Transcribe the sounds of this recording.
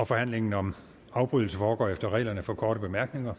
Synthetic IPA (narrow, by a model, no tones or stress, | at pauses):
ɒ̽fɒ̽hæn̰le̝ŋn̩ɒ̽m | ɑ̈ʊb̥ʁyðˠl̩səfɒːɡ̥ɒ̰ːefd̥ɐʁɛ̰ːlɐnəfɒ̽kʰɒːɾəb̥e̝mæɐɡ̥ne̝ŋɐ